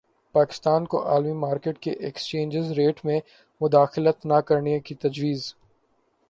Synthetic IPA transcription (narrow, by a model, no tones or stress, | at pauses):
paːkɪ̥st̪aːnko̰ʔaːlmimaːɾkeːʈkeʔɛkst͡ʃẽːnd͡ʒɪzɾeːʈmẽ | mʊd̪aːxɪlət̪nakɐɾnikit̪ɐd͡ʒwiːz